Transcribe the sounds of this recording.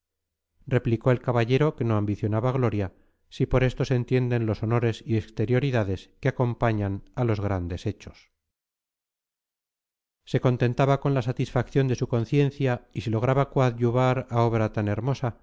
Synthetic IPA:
re̞pliko̞e̞lkaβaʎe̞ɾo̞ke̞noambiθjo̞naβaɣlo̞ɾja | sipo̞ɾe̞st̪o̞sent̪je̞nd̪e̞nlo̞so̞no̞ɾe̞siekst̪e̞ɾjo̞ɾiðaðe̞skeako̞mpaɲanalo̞zɣɾand̪e̞se̞t͡ʃo̞̥s | se̞ko̞nt̪e̞nt̪aβako̞nlasat̪isfakθjo̞nd̪e̞suko̞nθje̞n̟θjaisilo̞ɣ̞ɾaβakwaðʎuβaɾao̞βɾat̪ane̞ɾmo̞sa

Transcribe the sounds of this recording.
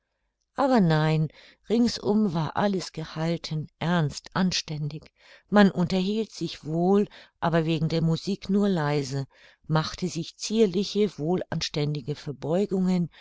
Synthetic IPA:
ʔaːbɐnaɪn | ʁɪŋsʔʊ̰mvaːɐʔaləsɡ̥əhaltʰənʔɛɐnstʔanʃtɛndɪç | manʔʊntɐɦiːltz̥ɪçv̥oːlʔaːbɐveːɡŋ̩deːɐmuziːknuːɐlaɪzə | maχtəzɪçt͡siːɐlɪçəvoːla̰nʃtɛndɪɡəfɛɐbɔʏɡʊŋən

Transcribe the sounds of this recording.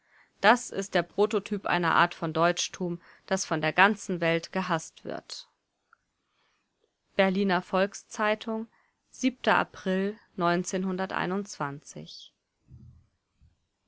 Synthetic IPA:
d̥asɪ̰st̚d̥eːɐpʁ̥oːtotʰyːpʔa̰ɪnɐ̰ʔa̰ːɐtfɔndɔʏt͡ʃtʰuːm | d̥asfɔndeːɐɡant͡sn̩vɛltɡ̥əɦastv̥ɪ̰ɐt | b̥ɛɐliːnɐfɔlkst͡saɪtʰʊŋ | z̥iːp̚tʰɐʔa̰pʁ̥ɪlnɔʏnt͡seːnhʊndɐtʔa̰ɪnʊnt͡sv̥ant͡sɪ̰ç

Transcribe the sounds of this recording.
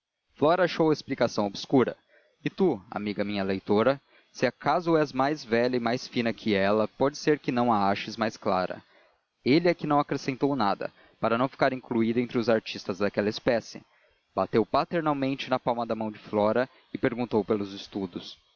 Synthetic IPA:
flɔɾɐaʃowɐɪsplikasɐ̃w̃obɪskuɾɐ̰ | ɪt̪ua̰miɡɐmĩɲɐlejt̪oɾɐ | sɪakazʊɛzmajzvɛʎɐɪmajsfĩnɐkʰɪɛlɐpɔd͡ʒɪseɾkɪnɐ̃w̃aaʃɪzmajsklaɾɐ̰ | elɪɛkɪnɐ̃w̃akɾesẽnt̪ownad̪ɐ̰ | paɾɐnɐ̃w̃fi̥kaɾĩkluid̪ɐẽnt̪ɾɪʊzaɾt͡ʃist̪ɐzd̪akɛlɐɪspɛsɪ̰ | bat̪ewpat̪eɾnawmẽnt͡ʃɪnɐpawmɐd̪ɐmɐ̃w̃d͡ʒɪflɔɾɐ | ɪpeɾɡũnt̪owpelʊzɪst̪ud̪ʊs

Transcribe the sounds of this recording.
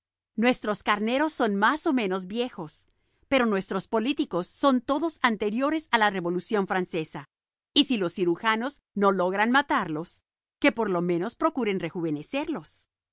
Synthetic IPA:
nwe̞st̪ɾo̞skaɾne̞ɾo̞sːo̞nmaso̞mẽ̞no̞zbje̞xo̞s | pe̞ɾo̞nwe̞st̪ɾo̞spo̞lit̪iko̞sːo̞nt̪o̞ðo̞sant̪e̞ɾjo̞ɾe̞salare̞βo̞lusjo̞ɱfɾanse̞sa | isilo̞sːiɾuxano̞z | no̞lo̞ɣɾanmat̪aɾlo̞s | ke̞po̞ɾlo̞mẽ̞no̞spɾo̞kuɾe̞nre̞xuβe̞ne̞se̞ɾlo̞s

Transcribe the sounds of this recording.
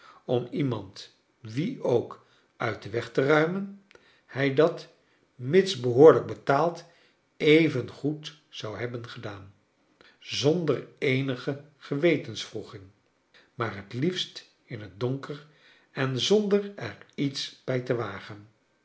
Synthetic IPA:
ɔmimɑnt | ʋiowk | œɥt̚dəʋɛχtərœɥmən | hɛjdɑt | mɪtsbəɦʊːɹləɡ̚bətaːlˠt | ejvənχut | sɑwɦɛbənχədaːn | zɔndərejnəχəχəʋejtənsfruχɪŋ | maːrɦətlifst | ɪnɦəd̚dɔŋkər | ɛnzɔndərɛɹitsb̥ɛjtəʋaːχən

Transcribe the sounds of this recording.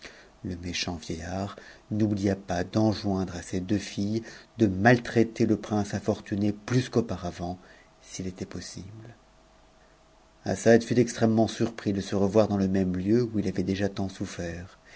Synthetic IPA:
ləmeʃɑ̃vjejaʁnublijapad̪ɑ̃ʒwɛ̃d̪ʁased̪øfijd̪əmalt̪χɛt̪eləpχɛ̃safɔʁt̪yneplyskopaʁavɑ̃ | silet̪ɛpɔsibl | a̰sad̪fyt̪ɛkst̪χɛmːɑ̃syʁpχid̪əsəʁəvwaʁd̪ɑ̃ləmɛmljøuilavɛd̪eʒat̪ɑ̃sufɛːʁ

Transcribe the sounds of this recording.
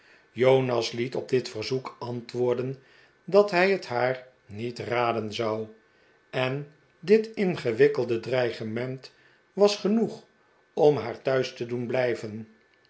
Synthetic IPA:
jownɑslitɔb̚dɪtfəɹzukɑntʋʊːɹdən | dɑtɦɛjəthaːɹ | nitraːdənzɑw | ɛn | dɪtɪnχəʋɪkəlˠdədrɛjχəmɛnt | ʋɑsχənuχ | ɔmɦaːɹtœɥstədunblɛjvən

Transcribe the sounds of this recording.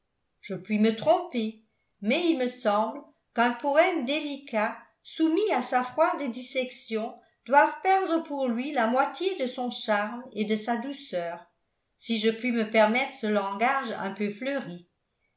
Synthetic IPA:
ʒ̥əpɥimət̪χɔ̃pe | mɛilməsɑ̃bl | kœ̃pɔɛmd̪elika | sumiasafχwad̪d̪isɛksjɔ̃ | d̪̥wavpɛʁd̪ʁəpuʁlɥilamwat̪jed̪əsɔ̃ʃaʁmed̪əsad̪usœːʁ | siʒəpɥiməpɛʁmɛt̪χəsəlɑ̃ɡaʒɛ̰̃pøfløʁi

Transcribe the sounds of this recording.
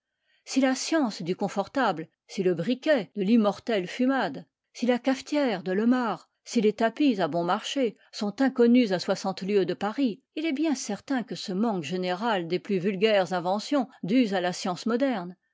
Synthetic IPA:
silasjɑ̃sd̪ykɔ̃fɔʁt̪abl | siləbʁikʲɛd̪əlimɔʁt̪ɛlfymad̪ | silakaft̪jɛʁd̪əlɔmaʁ | silet̪apizabɔ̃maʁʃe | sɔ̃t̪ɛ̃kɔnyzaswasɑ̃t̪ljød̪əpaʁi | ilɛbjɛ̃sɛʁt̪ɛ̃kəsəmɑ̃kʒeneʁald̪eplyvylɡʲɛʁzɛ̃vɑ̃sjɔ̃d̪yzalasjɑ̃smɔd̪ɛʁn

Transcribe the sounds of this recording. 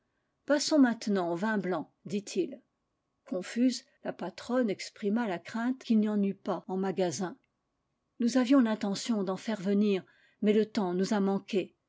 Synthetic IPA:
pasɔ̃mɛ̃t̪nɑ̃ovɛ̃blɑ̃ | d̪it̪ʰil | kʰɔ̃fyz | lapat̪χɔnɛkspχimalakχɛ̃t̪kʲilnɑ̃nypaɑ̃maɡazɛ̃ | nuzavjɔ̃lɛ̃t̪ɑ̃sjɔ̃d̪ɑ̃fɛʁvəniːʁ | mɛlət̪ɑ̃nuzamɑ̃kʲe

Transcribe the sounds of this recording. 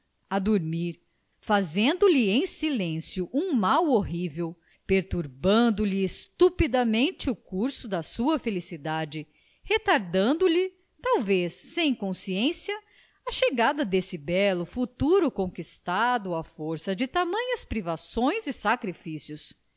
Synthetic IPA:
ad̪uɾmiɾ | fazẽnd̪ʊlɪẽj̃silẽsjʊʔũmawoɦivew | peɾt̪uɾbɐ̃nd̪ʊlɪːst̪upid̪ɐmẽt͡ʃɪʊkuɾsʊd̪ɐsuɐfelisid̪ad͡ʒɪ | het̪aɾd̪ɐ̃nd̪ʊlɪ | t̪awvesːẽj̃kõsiẽsjɐ | ɐʃeɡad̪ɐd̪esɪbɛlʊfut̪uɾʊkõkist̪ad̪ʊɐfoɾsɐd͡ʒɪt̪amɐ̃ɲɐspɾivasõj̃zɪsakɾifisjʊs

